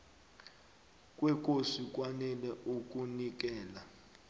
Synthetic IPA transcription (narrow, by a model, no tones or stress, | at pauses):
kʼwɛkʼosik̬ʼwanɛlɛʔuk̬ʼunik̬ɛːla